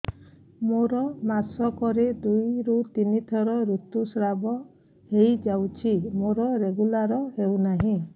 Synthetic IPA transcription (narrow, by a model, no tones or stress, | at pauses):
moɾɔmasɔkɔɾed̪ujɾut̪init̪ʰɔɾɔɾut̪usɾabɔ | hejd͡ʒawt͡ʃʰimoɾɔɾeɡulaɾɔɦewnaɦĩ